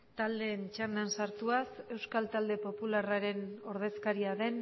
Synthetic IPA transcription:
t̪ald̪e̞ːnt͡ʃand̪ansaɾt̪uase̞wskalt̪ald̪e̞po̞pularaɾe̞no̞ɾð̞e̞skaɾiaðe̞n

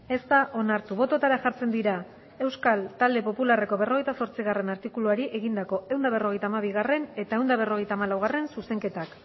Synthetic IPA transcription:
e̞st̪aʔo̞naɾt̪uβo̞t̪o̞t̪aɾaʝaɾt͡se̞nd̪iɾa | e̞wskalt̪ald̪e̞po̞pulare̞ko̞βe̞ro̞ɣ̞ejt̪aso̞ɾt͡siɣ̞are̞naɾt̪ikuluaɾiʔe̞ɣ̞ind̪ako̞e̞wnd̪aβ̞e̞ro̞ɣ̞e̞jt̪aːmaβ̞iɣ̞are̞ne̞t̪ae̞wnd̪aβe̞ro̞ɣe̞jt̪aːmalawɣ̞are̞nsuse̞ŋke̞t̪ak

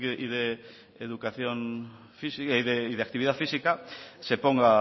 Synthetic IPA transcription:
iðe | eðukaθjon | fisiðeiðeak̚t̪iβiðaðfisikasepoŋɡa

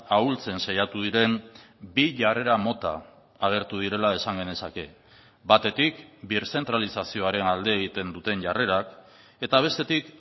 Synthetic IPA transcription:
ault͡se̞nsajat̪uðiɾe̞m | biʝare̞ɾamo̞t̪a̰ː | ɣ̞e̞ɾt̪uð̞iɾe̞lae̞saŋɡe̞ne̞sake̞ | bat̪e̞t̪ikbiɾse̞nt̪ɾalisasio̞aɾe̞nald̪e̞ːɣ̞it̪e̞nd̪ut̪e̞nʝare̞ɾak | e̞t̪aβ̞e̞st̪e̞t̪ik

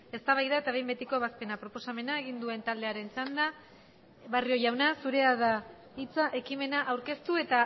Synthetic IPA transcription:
e̞st̪aβajðaet̪aβe̞jmbe̞t̪iko̞βaspe̞napɾo̞po̞same̞naeɣind̪ue̞nt̪ald̪e̞aɾe̞nt͡sand̪a | βario̞ʝawnasuɾe̞aða | it͡saʔe̞kime̞naʔawɾke̞st̪ue̞t̪a

